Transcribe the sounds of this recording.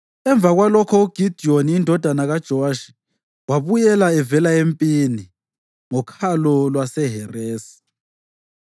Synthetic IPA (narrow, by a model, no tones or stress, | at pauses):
ɛɱb̪vʱaɣwalɔkʰɔuɡ̥ʱid̥ʱioniindʱɔd̥ʱanaɣad̥ʒ̥ʱɔaʃi̥ | waβujɛlaɛvɛlaempʼini | ŋɔkʰalɔlwasɛɦɛreːsi̥